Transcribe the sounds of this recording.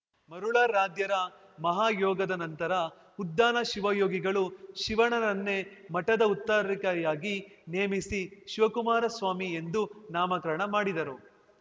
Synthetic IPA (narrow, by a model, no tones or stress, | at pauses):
mɐɾuɭaːɾaːd̪jɐɾɐ | mɐɦaːjɔːɡɐd̪ɐnɐnt̪ɐɾɐ | ud̪ːaːnɐʃiʋɐjoːɡiɡɐɭuʃiʋɐɳɐɾɐnːe̞mɐʈɐd̪ɐut̪ːɐɾɾikɐjaːɡineːmisiʃiʋɐkumaːɾɐsʋaːmie̞nd̪unaːmɐkɐɾɐɳɐmaːɽid̪ɐɾu